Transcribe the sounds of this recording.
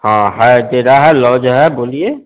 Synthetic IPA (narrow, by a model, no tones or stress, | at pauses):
ɦãːɦɛd̪eːɾaɦɛlɔːd͡ʒɦɛboːlieː